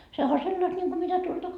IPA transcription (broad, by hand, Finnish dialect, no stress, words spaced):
sehæ o selːɑst nʲiŋku mitæ tuoltɑ